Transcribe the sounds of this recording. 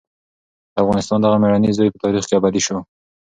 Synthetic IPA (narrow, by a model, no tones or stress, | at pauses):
d̪̥əafɣɑnɪst̪ɑnd̪aɣameɾanizɑjpət̪ɑɾixkeabad̪iʃo